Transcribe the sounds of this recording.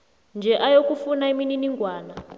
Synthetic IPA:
nd͡ʒʱɛʔajokufunaimininiŋɡwaːna

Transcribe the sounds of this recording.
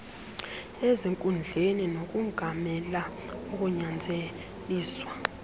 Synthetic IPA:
eziŋkʼund͡ɮʱeninok̬ʼuŋɡʱamɛla | uk̬ʼuɲand͡zʱe | liːswa

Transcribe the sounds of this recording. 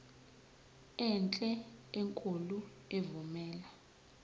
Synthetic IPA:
ɛnt͡ɬʼɛeŋkʼulu | evumɛːla

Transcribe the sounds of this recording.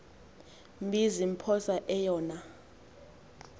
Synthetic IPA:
mbʱizim̩pʰɔsaʔɛjɔːna

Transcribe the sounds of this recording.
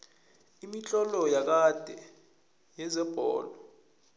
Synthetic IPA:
imit͡ɬʼɔlɔjak̬ad̥ʱɛ | jɛzɛb̥ʱɔ̰ːlɔ

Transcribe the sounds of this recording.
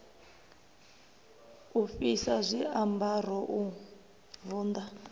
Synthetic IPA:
ufisazʷiambar̤ɔʔu | vuːnd̪a

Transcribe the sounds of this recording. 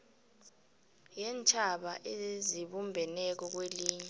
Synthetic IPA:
jɛnt͡ʃʰʼaɓaʔeziɓumbʱɛnɛk̬ɔk̬weliːɲɛ

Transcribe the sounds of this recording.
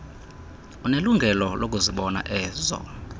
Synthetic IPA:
uneluŋɡʱɛlɔlʔokʼuziɓɔna̰ʔɛːzɔ̰

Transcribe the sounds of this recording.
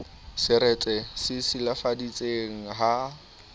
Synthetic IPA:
sɪɾɛt͡sʼɛsɪsɪlafadit͡sʼeŋ̩ɦa

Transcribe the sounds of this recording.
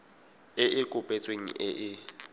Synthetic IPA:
ɪʔɪkʼʊpʼɛt͡sʼweŋ̩ʔɪʔɪ

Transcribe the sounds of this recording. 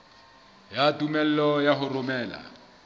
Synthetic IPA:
jatʼumɛl̩ɔjaɦʊrʊmɛːla̰

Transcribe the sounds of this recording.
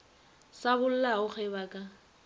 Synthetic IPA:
sabʊl̩laʊχʰɛbaːkʼa

